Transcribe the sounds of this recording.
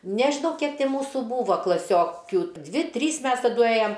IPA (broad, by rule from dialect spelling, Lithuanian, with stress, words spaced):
nʲɛʒʲɪˈnɐʊ ˈkʲiɛk ˈtʲɪ ˈmuːsʊ ˈbuːʋɐ klˠɐˈsʲoːkʲʊ ˈdʲʋʲɪ ˈtʲrʲiːs ˈmʲɛs tɐˈdʊ ˈeːjɛm